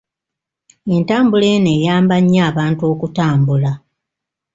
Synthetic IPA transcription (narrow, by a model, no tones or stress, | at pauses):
e̞ntaːmbule̞ːne̞ːjaːmbaɲːaːβaːntuo̞ːkutaːmbula